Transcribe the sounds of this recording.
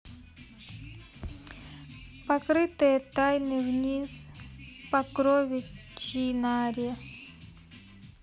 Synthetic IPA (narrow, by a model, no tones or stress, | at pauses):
pɐkɾɨt̪ɨjət̪ajnɨvnʲizpɐkɾovʲɪt͡ɕinaɾʲə